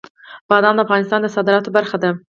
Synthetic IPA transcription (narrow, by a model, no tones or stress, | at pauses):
b̥ɑd̪ɑnd̪əafɣɑnɪst̪ɑnd̪əsɑd̪ɪɾɑt̪obaɾxad̪a